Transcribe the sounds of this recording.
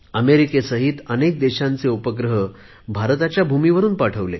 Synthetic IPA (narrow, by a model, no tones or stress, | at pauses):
əmeɾikesəɦiːt̪ənek̚d̪eɕãnt͡seupəɡɾəɦə | bʱaɾt̪at͡ɕjabʱumiʋəɾuːnpaʈʰəʋle